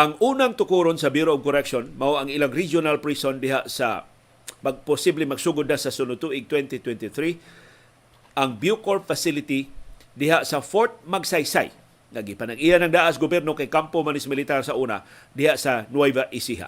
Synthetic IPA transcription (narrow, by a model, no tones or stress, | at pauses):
ʔaŋuːnaŋt̪ʊkuɾonsɐbuɾoʔoɡ̚kʊɾɛkʃonmaʔoʔɐŋɪlaŋɾid͡ʒonalpɾisond̪ɪɦaʔsa̰ | maɡ̚pʊsiblɪŋmaɡsuɡʊd̪nasɐsʊnʊt̪uʔɪɡ̚t̪wɛnt̪it̪wɛnt̪ɪθɾi | ʔaŋbjukolfasɪlɪt̪id̪ɪhaʔsɐfoɾt̪̚maɡsajsa̰j | ŋaɡɪpanaɡʔijanɐŋd̪aʔasɡʊbjɛɾnokajkampomanɪsmɪlɪt̪aɾsaʔuːna̰ | d̪ɪhaʔsanwajvaʔɪsiɦa̰